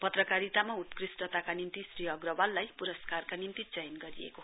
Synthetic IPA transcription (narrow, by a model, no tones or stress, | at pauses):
pʌt̪rʌkaɾit̪amaut̪krisʈʌt̪akanint̪isriʌɡrʌbalːajpuɾʌskarkanint̪it͡sʌjnɡʌɾiḛko